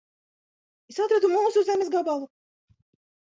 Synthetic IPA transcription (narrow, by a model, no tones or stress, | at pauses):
esat̪ɾad̪umuːsuzɛmʲesɡabalˠu